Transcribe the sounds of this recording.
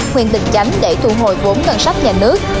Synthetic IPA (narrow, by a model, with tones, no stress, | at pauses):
hwḭ˧˨ənɗ̪ɨ˨˩k̚t͡ɕa˨˦jŋɗe˧˩t̪ʰṵ˧˩ɦo˨˩jvo˨˦nkə˧nsa˦˥jk̚ɲaː˨˩nɨ˦˥ək̚